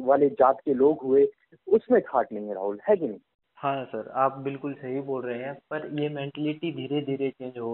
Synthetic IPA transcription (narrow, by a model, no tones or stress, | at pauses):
ʋaːled͡ʒaːt̪keloːɡɦʊe | ʊsmẽkʰaːʈlẽːŋɡeɾa̰ːɦʊlhɛːɡini | hãːsɐɾaːp̚bɪlkʊlsɐɦiboːlɾɐɦeɦɛ̃pɐɾjemẽːɳʈɛlɪʈid̪ʱiːɾed̪ʱiːɾet͡ʃẽːɲd͡ʒɦo